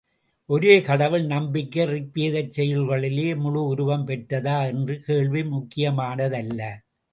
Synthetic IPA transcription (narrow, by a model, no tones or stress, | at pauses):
ʔɔɾeːkɐɽɐʋɪɭnɐmbɪkːɐrɪkpːiːðɐt͡ʃːɛjɪlɣɐɭɪleːmʊɻʊʊɾʊʋɐmpɛʈːɐðaːɛndrɯkeːɭʋimʊkːɪjɐmaːnɐðɐlːɐ